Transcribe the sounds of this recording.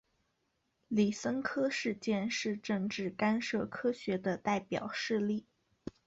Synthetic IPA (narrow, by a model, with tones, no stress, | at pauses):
li˨˩sə˥ŋkʰɤ˥ʂɻ̩˥˧t͡ɕjɛ˥˧nʂɻ̩˥˧ʈ͡ʂɤ˥˧ŋʈ͡ʂɻ̩˥˩ka˥nʂɤ˥˩kʰɤ˥ɕɥɛ˧˥d̪ə˧t̪a˥˩ɪpjɑ̰˨˩ʊʂɻ̩˥˧li˥˩